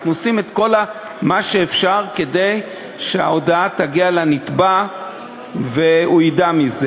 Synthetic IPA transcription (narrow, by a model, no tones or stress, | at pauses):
nuosimet̪ko̞la | maʃeːfʃaʁkede̞j | ʃeao̞daat̪aɡialanit̪ba | veuidamize